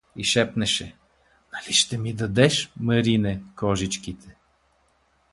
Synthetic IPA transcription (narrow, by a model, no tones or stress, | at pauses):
iʃɛpnɛʃɛ | naliʃt̪ɛmid̪ad̪ɛʃməɾinɛkɔʒit͡ʃkit̪ʰɛ̥